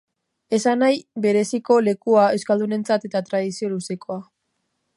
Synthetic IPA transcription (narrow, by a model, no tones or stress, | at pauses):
e̞sanajbe̞ɾe̞siko̞le̞kuae̞wskald̪une̞nt͡sat̪e̞t̪at̪ɾaðisio̞luse̞ko̞a